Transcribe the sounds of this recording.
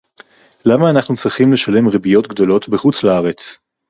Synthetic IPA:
lamaːnaχnut͡sʁiχimle̞ʃale̞mʁebijo̞t̪ɡd̪o̞lo̞tbeχut͡slaaʁe̞t͡s

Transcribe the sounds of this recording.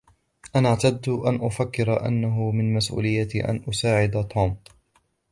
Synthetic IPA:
ʔanaʕt̪ad̪ːʔanʔʊfakːɪɾaʔa̰nːaɦʊmɪnmasʔṵːlɪjːat̪ʔa̰nʔʊsaːʕɪd̪at̪ˤʰoːm

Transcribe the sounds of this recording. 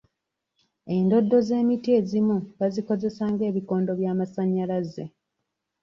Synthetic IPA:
e̞ndo̞dːo̞ze̞ːmitie̞ːzimuβaziko̞ze̞saːŋɡe̞ːβiko̞ːndo̞βjaːmasaɲːalaze

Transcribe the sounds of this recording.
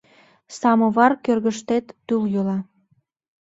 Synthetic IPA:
sɑmə̆βɑrkørɣəʃt̪et̪ːyljolɑ

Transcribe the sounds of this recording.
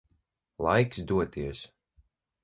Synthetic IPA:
lˠa̰jksd̪uɔt̪iɛs

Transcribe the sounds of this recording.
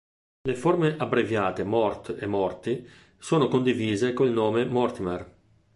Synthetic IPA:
leformeʔabɾevjaːt̪emɔrt̪emːɔrt̪i | soːnokond̪iviːzekoilnoːmemɔrt̪imɛr

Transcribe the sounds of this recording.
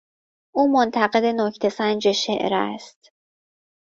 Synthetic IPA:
ʔuːmo̞nt̪ʰæɣe̞d̪e̞nocʰt̪ʰe̞sænd͡ʒeʃeʔɾæ̰st̪

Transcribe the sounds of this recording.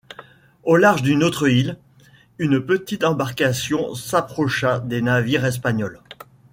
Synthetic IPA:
olaʁʒd̪ynot̪χəil | ynpət̪it̪ɑ̃baʁkasjɔ̃sapχɔʃad̪enaviʁɛs̬paɲɔl

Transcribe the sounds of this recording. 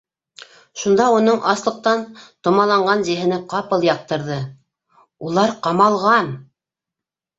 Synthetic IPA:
ʃund̪ɑunɤɴʔɑslˠɤ̆q̚t̪ɑnt̪ŏmɑlˠɑɴɢɑnʑɘ̆ɦɘ̆nɘqɑpɤlˠjɑq̚t̪ɤ̆ɾðɤ | ulˠɑɾqɑmɑlˠʁɑn

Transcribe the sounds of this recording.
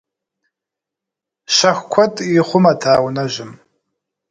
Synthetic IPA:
ʃɐxʷkʷʰɔtʼiχʷʊmatʰaːwnɐʒʷɪm

